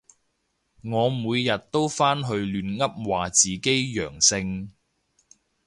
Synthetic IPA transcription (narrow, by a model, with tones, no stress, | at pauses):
ŋɔː˨˧muː˨˧jjɐ˨t̚t̪o˥wfaː˥nɦɵ˧ɥlyː˨˧nŋɐ˥p̚waː˨˩t͡siː˨ke˥jjœː˨˩ŋsɪ˧ŋ